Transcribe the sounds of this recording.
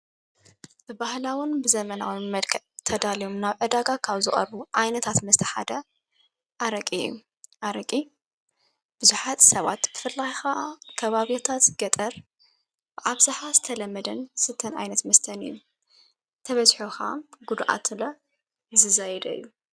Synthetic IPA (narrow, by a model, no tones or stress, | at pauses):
bɨbahlawʊnbɨzɐmɐnawimɐlkʰɐʔt̪ʰɐd̪alijomnaβʕɨd̪aɡakʰaβzɨχʼɐ̰ɾbuʔajnɐt̪ʰat̪mɐst̪ʰɐ̥ħa̰d̪ɐ | ʔaɾɐkʼijːṵ | ʔaɾɐkʼi | b̥ɨzuħat̪sɐβa̰t̪b̥ɨfɨlːajxakʰɐβaβiat̪ʰat̪ɡɐt̪ʼɐɾ | bɨʔaβzaħazɨt̪ʰɐlɐmːɐd̪ɐnsɨt̪ʰːɐnʔa̰jnɐt̪mɐst̪ʰɐnɨ̰jːu | t̪ʰɐβɐzħoxa̰ɡud̪ʔa̰t̪ɨlɐ | zɨzajd̪ɐ̰ɨjːu